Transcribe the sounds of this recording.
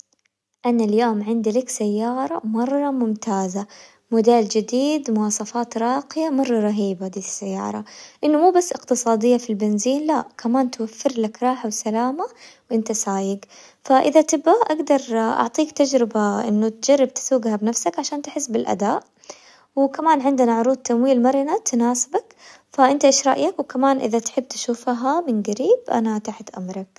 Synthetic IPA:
ʔanːaljoːmʕɪnd̪lɪksajːɑːɾˤɑmɑrˤːɑmʊmt̪ʰaːza | mʊd̪eːld͡ʒɪd̪iːd̪mʊwɑːsˤɑfɑːt̪ɾˤɑːqɪjamɑrˤːɑɾˤɑɦiːbad̪iːsːajːɑ̰ːɾˤɑʔɪnːʊmuːbasːʔɪqt̪ɨsˤɑːd̪ɪjːafilbɪnziːnlaʔkʰamaːnt̪wafːɪɾlakɾˤɑːħawsalaːmawʔɪnt̪asaːjɪɡ | faʔɪðat̪ɪbʔaʔaɡd̪ɑɾˤʔɑ̰ʕt̪ˤiːkt̪ad͡ʒɾɪbaʔɪ̰nːʊt̪d͡ʒɑrˤːɪb̚t̪ɪ̥suːɡhabnafsakʕaʃaːnt̪ɪħɪsːbɪlʔa̰d̪aːʔ | wɪkamaːnʕɪnd̪ɪnaʕʊɾˤuːd̪̚t̪ːamwiːlmɑɾˤɪnat̪naːsɪbak | faʔɪnt̪aʔɪʃɾˤɑ̰ʔjakwkamaːnʔɪ̰ðat̪ħɪbːt̪ḁʃuːfɦamɪnɡaɾiːbʔa̰nat̪aħt̪ʔa̰mɾˤɑk̚

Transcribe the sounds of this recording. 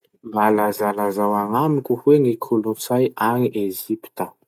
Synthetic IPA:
mbalazalazawaŋamikʲuhweŋikʰulunsajaŋiʔeʒipi̥t̪ə

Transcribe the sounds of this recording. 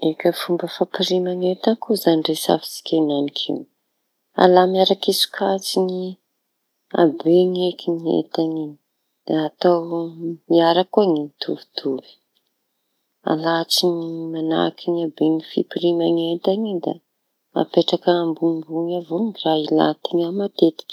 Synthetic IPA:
ekʲəfumbəfapiɾimaŋet̪akʰuzaniɖ͡ʐesa̰fi̥si̥kʲananikʰḭu | a̰lamiaɾakisu̥kʰat͡sini | a̰beŋekʰiniḛt̪aɲi̥ | at̪awmiaɾakuaŋit̪ʰṵvi̥t̪ʰuvi̥ | a̰lat͡siŋimana̰kʰiɲabeŋifipiɾimaŋet̪aŋid̪a̰ | a̰peʈ͡ʂakəːmbumbuŋavoŋiraila̰t̪iɲamat̪et̪i̥kʲ

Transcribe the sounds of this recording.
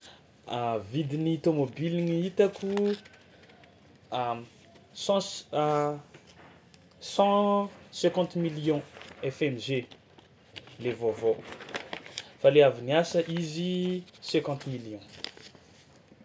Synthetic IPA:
avid̪init̪omobiliŋiit̪akʰu | sɑ̃ | sɑ̃sɛ̃kɑ̃t̪miliɔ̃ɛfɛmʒe | levovo | faleaviniasəʔizisɛ̃kɑ̃t̪miljɔ̃

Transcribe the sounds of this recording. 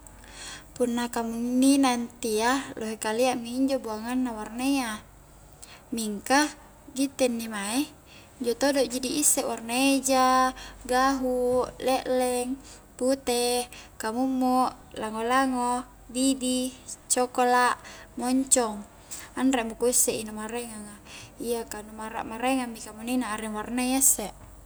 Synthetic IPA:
punːakamunːinant̪ialoɦekaliaʔmiiɲd͡ʒobuaŋanːawarnea | miŋka | ɡit̪ɛnːimae | iɲd͡ʒot̪odoʔd͡ʒidiisːɛʔwarnaed͡ʒaɡaɦulɛʔlɛŋ | put̪ekamumːoʔ | laŋolaŋo | bibit͡ʃɔkolaʔmɔɲt͡ʃɔŋ | anremukuisːeʔinamaɾeŋaŋaiakanumaɾa̰ʔmaɾeŋamːikamuninaːɾɛŋwarnaasːeʔ

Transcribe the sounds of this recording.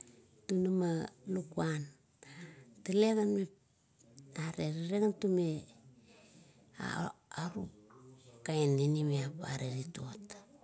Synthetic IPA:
tunamalukuan | taleɣanme | aɾeɾiɾeɡantume | a̰aɾu | kaenːinimeapa̰ɾeɾitot

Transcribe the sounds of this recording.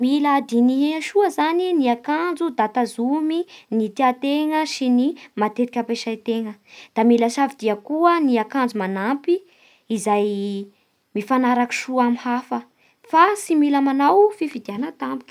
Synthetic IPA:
milad̪iniʃuəzaniniakand͡zud̪at̪azuminit̪iat̪eŋəʃinimat̪eɾikʲəpeʃajt̪eŋəd̪̥amiləʃavid̪iakuəniakand͡zumanampi | izaj | mifanaɾaki̥ʃuamihafə | fasimiləmanawfifid̪ianət̪ambi̥kʲi̥

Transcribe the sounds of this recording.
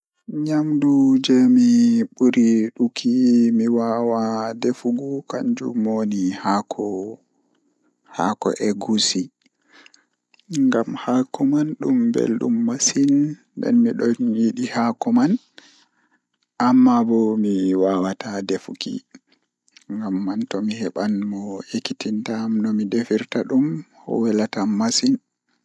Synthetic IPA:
ɲamdud͡ʒɛmiɓuɾiɗukʰimiwawadefuɡukaɲd͡ʒṵmonihakʰɔ | ha̰kɔ̰ʔɛɡusi | ŋɡamhakɔmanɗumbɛ̰lɗṵmːasin | bɛ̰nmiɗɔnjiɗihakɔman | ʔamːabɔmiwawatadefukḭ | ŋɡamːantɔmihɛɓanmɔekitintamnɔmidefiɾtaɗumhɔ̰wɛlatamːasin

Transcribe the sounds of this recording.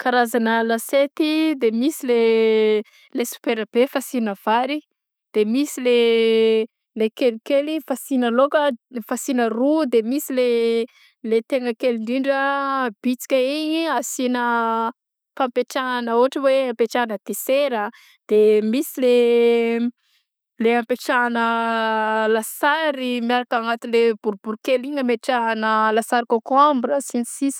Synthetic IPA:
kaɾazanəlaset̪id̪emisile | lesu̥peɾb̥efasinəv̥aɾi | d̪̥emisile | lekelikelifasinəlokəfasinərud̪emisile | let̪eŋɡəkelind̪iɳɖ͡ʐəb̥it͡si̥kʲəiɲiasinə | pampeʈ͡ʂanəuaʈ͡ʂəweampeʈ͡ʂanəd̪eseɾə | d̪̥emisile | leampeʈ͡ʂaːnə | lasaɾimjaɾakaŋat̪inlebuɾbuɾukeliŋəmeʈ͡ʂanəlasaɾikokambrəsinisis

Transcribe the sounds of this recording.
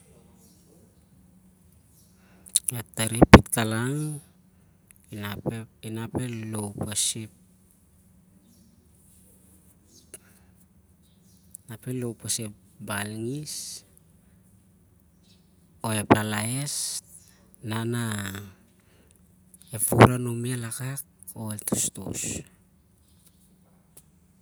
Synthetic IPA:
etaɾipːitkalaŋ | nainape̞lowpasip̚ | nape̞lowpasepbalŋis | o̞e̞plalae̞s | nana | e̞fuɾanomialakak̚o̞etʰosto̰s

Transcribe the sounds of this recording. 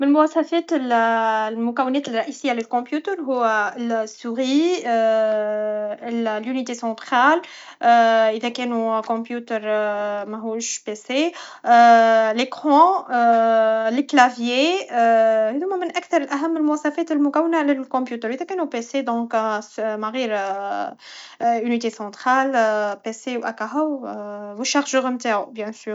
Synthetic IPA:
mɪlmʊæsˤːɑfɛːt̪əllmʊkæwːɪnɛːt̪əlrˤːɑʔisɪjːalɪlkɔ̃pjut̪əɾɦʊwːælsːuʁi | llynit̪esɑ̃t̪χal | ʔɪðækɛːnukɔ̃pjut̪əɾmæɦuːʃpese | lekχɑ̃ | ləklavje | hɛðumæmɪnʔækθɑɾˤəlʔæɦæmːəlmʊwɑsˤɑfɛːt̪əlmʊkæwːənalɪlkɔ̃pjut̪əɾʔiðækɛːnupesed̪ɔ̃ksmaɣiɾ | ynit̪esɑ̃t̪χalpesewʔakaɦawwuʃaʁʒəʁəmt̪aːʕubjɛ̃syː

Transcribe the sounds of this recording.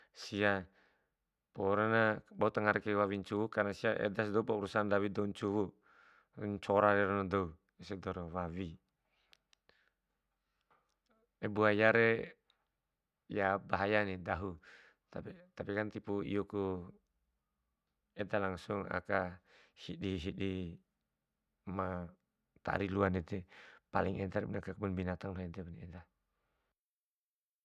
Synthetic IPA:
sia | poɾanabaut̪aŋaɾɛkewawiɲt͡ʃuwukarnasiaʔḛdas̬doupauɾusandawidouɲt͡ʃuwu | ɲt͡ʃoɾaɾeɾanadou | esedɔɾowawi | ebuajaɾe | jabaɦajanidaɦu | t̪apit̪apikant̪ipuḭjɔku | ɛd̪alaŋsuŋa̰kahidiɦidi | ma | t̪a̰ʔɾiluanɛt̪ɛpa̰liŋʔɛt̪aɾnakakumanbinat̪aŋlɔɛd̪ɛbned̪a

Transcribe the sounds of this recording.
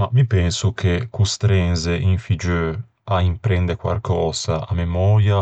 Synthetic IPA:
mavipɛnsukʰekust̪ɾɛnzeʔiɱfid͡ʒø | aimpɾɛnd̪ekwa̰lkʰɔːz̥aamemɔːɾja

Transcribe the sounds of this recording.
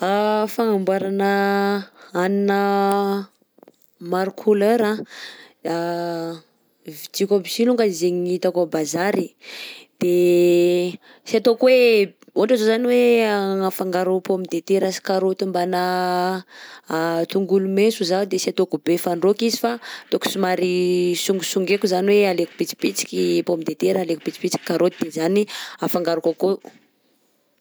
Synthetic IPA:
afaŋambaɾanə | aninə | maɾukʰuløɾã | a | vid͡ʒ̪ikʲobisiluŋɡaizeɲiit̪akabazaɾid̪̥e | siat̪okwe | oʈ͡ʂazozaniweaafaŋɡaɾupomid̪et̪eɾasi̥kaɾot̪imbana | t̪uŋɡulumesuzad̪esiat̪okubefaɳɖ͡ʐokizifat̪oku̥sumaɾisuŋɡusuŋɡekuzaniwealeku̥pit͡si̥pit͡si̥kʲipomid̪et̪eɾalekupit͡si̥pit͡si̥kʲi̥kːaɾʔot̪id̪̥ezaniafaŋɡaɾukako

